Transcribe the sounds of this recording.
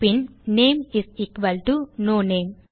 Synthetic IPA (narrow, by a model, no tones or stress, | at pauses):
pinneːmisikʋɐlʈunoːneːm